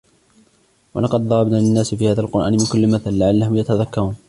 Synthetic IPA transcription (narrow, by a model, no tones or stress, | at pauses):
wɑlɑqɑd̪̚ðˤɑɾˤɑbnaːlɪnːaːsɪfiːhaːðaːlqʊɾʔa̰ːnɪmɪnkʊlːɪmaθalːaʕalːahʊmjat̪aðakːɑɾˤuːn